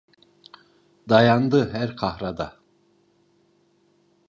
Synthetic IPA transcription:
d̪ajand̪ɯɦæɾkʰahɾad̪a

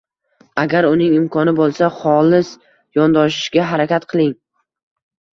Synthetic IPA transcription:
aɡʲaɾʊnɪŋɪmkʰɒnɪbolˠsaχɒlˠɪs | jɒnd̪ɒʃɪ̥ʃɡʲaɦaɾakʲat̪qʰɨlˠɪŋ

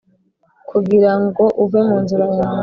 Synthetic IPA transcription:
kʰuɡiɾaŋɡo̞ʔuvemuːnzuɾaja

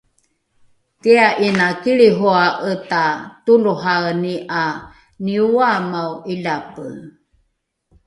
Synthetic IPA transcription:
tiaʔinakiɭiɦoaʔətatuluɦaniʔa | niuamawʔiʎapə

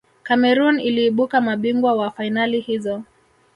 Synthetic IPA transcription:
kamɛɾuniliːɓukamaɓiŋɡwawafainalihizɔ

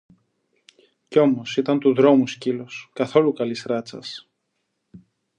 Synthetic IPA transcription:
ceo̞mo̞sit̪ɐnt̪uðɾo̞musciloskɐθo̞lukɐlisɾɐt͡sɐ̰s

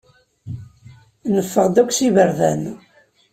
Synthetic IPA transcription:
nəfːəʁd̪ækʷːsivəɾðæn

